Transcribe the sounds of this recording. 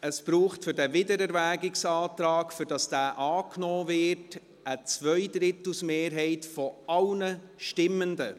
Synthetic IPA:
əspɾuːχtfʏɾdɛvɪdəɾɛɾvæːɡɪksɑːtɾɑːkfʏɾd̥ɑsd̥æːʔɑːknɔːvɪrt | ət͡svœɪdɾɪtlusmeːɾɦɛɪtfɔʔɑlnə | ʃtɪmːəndə

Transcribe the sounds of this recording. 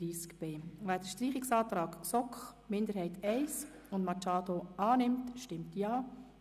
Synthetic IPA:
iːskb̥eːʋæːd̥əʃtɾiːχɪksɑːtɾɑːɡsɔkχmɪnd̪əɾhɛɪtɛɪs | ʊndmɑt͡ʃɑːdoɑːnɪmtʃtɪmtjɑː

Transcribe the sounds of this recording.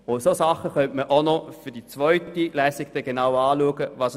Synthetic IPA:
ʊnsosɑχəχœntməʔonɔfʏɐdit͡svœʏtilɛːsiɡ̚d̥ɛɡ̥enawɑːluəɡəvɑːs

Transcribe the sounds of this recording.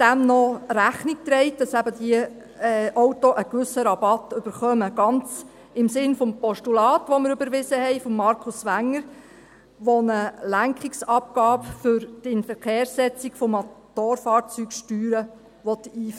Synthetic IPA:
d̥æmnɔɾæχnik̚t̪ɾɛɪt̚d̥ɑsæbədiə | ʔɔwtoʔəkʋʏsəɾɑbɑt̪ʏb̥əɾχœməɡ̥ɑnt͡s | ɪmsɪnfɔmpɔʃtulɑːt̪ʋɔməɾʏbəɾʋɪzəhɛɪfɔmːɑɾkʰʊsʋæŋːəɾ | ʋonəlæŋkχɪksɑp̚ɡɑːpfʏɾd̥ɪnfəɾkeːɾsɛt͡siɡfɔmotːoːɾfɑːɾt͡syːkʃtyːɾə | ʋɔt̪iːf

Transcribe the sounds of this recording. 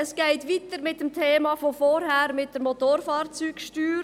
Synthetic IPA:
əsɡ̥ɛɪtʋitəɾmɪt̚dəmtʰeːmɑːfofɔɾhæːɾmɪt̚d̥əɾmot̪oɾfɑːɾt͡syːkʃtyːɾ

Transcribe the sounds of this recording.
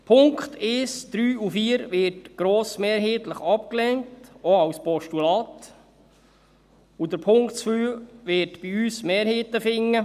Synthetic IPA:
pʰʊŋkχt̪ʰɪsd̪̥ɾyːufiːəɾʋɪtɡ̥ɾoːsmeːɾɦeːtləχɑp̚klɛŋtoɑwspɔʃtulɑːt | ud̥əɾpʰʊŋktt͡sfyːʋɪːtb̥iyːsmeːɾheːt̪əfɪŋːə

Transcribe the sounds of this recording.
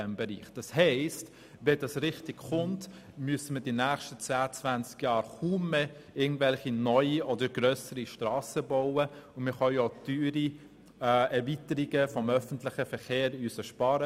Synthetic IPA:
ɛmbɛɾḭːχd̥ɑshɛɪst | ʋɛdɑsɾɪχtɪkχʊnt | myəsəmədinæːχʃtət͡sæːət͡svænt͡skjɑːɾχuːmːe | ɪɡŋ̩tvɛlχinɔʏiʔɔdəɾɡɾœsəɾiʃtɾɑːsəboʊəʊnmɪχœod̥yːɾi | ɛɾvitəɾiɡəfɔmœfəntlɪχəfəɾχeːɾyːsəʃpɑːɾə

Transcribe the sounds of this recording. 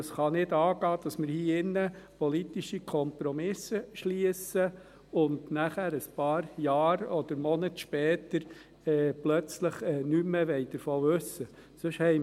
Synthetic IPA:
sχɑnɪdɑːɡɑːd̥ɑsmɪɾhiːɪnːəpɔlit̪iʃikʰɔmpɾɔmɪsəʃliəsə | ʊndnæχæːɾəspɑːɾjɑːɾɔd̥̪əɾmɔnətʃpɛːt̪əɾ | ɛːplœt͡sləχɛːnyməʋɛɪd̥̪əɾfoːʋɵsːə | sɵʃhɛ

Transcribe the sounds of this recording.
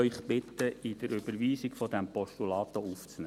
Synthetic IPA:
œʏχbɪt̪ːəid̥əɾʏbəɾʋiːsiɡfɔd̪ɛmpɔʃtulɑːt̪ɔuft͡sne

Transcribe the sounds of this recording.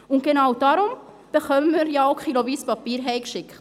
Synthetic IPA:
ʊnt̚ɡ̥enawdɑɾʊm | b̥əχœməmiːɾjaʊkʰχiloviːspɑpiːɾɦɛɪkʃɪkχt

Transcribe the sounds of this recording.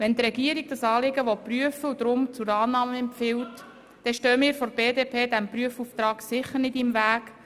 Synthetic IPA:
ʋɛnt̪ɾɛɡiəɾiɡ̚d̥ɑsɑːlɪɡəʋɔpryəfəud̪ɾʊmt͡sʊɾɑːnɑːməɛmpfɪwt | d̥ɛʃtøːmɪːɾfɔɾb̥eːdeːpʰeːd̪æmpryəfuːft̪ɾɑːɡsɪχːərnɪdɪmvæːk

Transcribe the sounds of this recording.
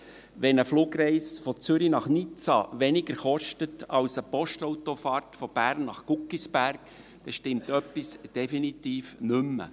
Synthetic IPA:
ʋɛnəfluːɡɾɛɪsfɔt͡sʏɾinɑχnit͡sɑ̰ʋɛnɪɡəɾχɔʃtətɑwsəpɔʃtɔwtɔfɑːrtfɔb̥æːrnnɑχkukːisbæɾk | d̪̥ɛʃtɪmt̪œpːisd̥ɛfinit̪iːfnʏmːə̰

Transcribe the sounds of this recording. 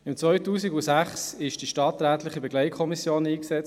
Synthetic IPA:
ɪmt͡svœʏtuːsiɡusæχsɪʃd̥iʃtɑːt̪ɾæːtlɪχibɛɡlɛɪtkʰɔmisjoːniːksɛt͡s

